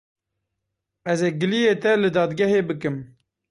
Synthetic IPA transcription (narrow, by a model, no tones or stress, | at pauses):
ɛzeːɡɨlijeːt̪ɛlɨd̪ɑːd̪ɡɛɦeːbɨkɨm